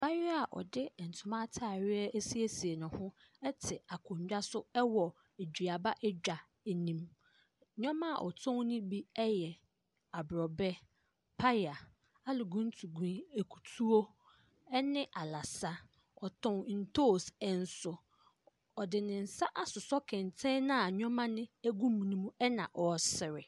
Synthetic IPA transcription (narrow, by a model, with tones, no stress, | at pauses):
ba˦ɥɪ˦a˨ʔɔ̰˨dɪ˦˨n̩˨tʰʊ˨mã˦tʰaː˨ɥɪ˦ɛ˦ʔɛ˦si˦e˦si˨e˨nʊ̃˨hʊ̃˦ | ɛ˦tʰɪ˨a˨kʰʊ̃˨ɲ˨d͡ʑᶣa˦sʊ˦ɛ˦wɔ˨ | e˨d͡ʑᶣi˨a˨ba˦ʔɛ˦d͡ʑᶣa˨ | e˨nĩ˦m˦ | ɲᶣɔ̃˦mã˦˨ʔɔ̰˨tʰɔ̃˦ŋ˦nʊ̃˦bi˦ɛ˦jɛ˨ | a˨bɾɔ˨bɛ˦ | pʰa˦ja˨ | a˦lʊ˨ɡũ˦n̩˦tʰu˨ɡĩ˦e˨kʰu̥˨tʰu˦o˦ | ɛ˦nɪ̃˦ʔa˨la˨sa˦ | ɔ˨tʰɔ̃˦˨ŋ˨n̩˨tʰo˦˨sɛ˨n̩˨sʊ˨ | ɔ˨dɪ˨nɪ̃˨n̩˨sa˦ʔa˦sʊ˨sɔ˦kʰɛ̃˨n˨tʰɛ̃˦nã˦a˨ɲᶣɔ̃˦mã˦nɪ̃˦æ˦ɡũ˦mĩ˨nĩ˦mũ˦ɛ˦nã˨ʔɔ˨sɪ˨ɾɪ˨